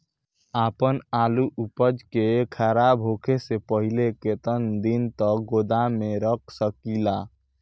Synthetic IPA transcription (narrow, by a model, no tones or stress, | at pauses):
apənaluʔupəd͡ʒkekʰaɾabʱɦokʰesepəɦileket̪ənd̪int̪əɡod̪ameɾək̚ʰsəkila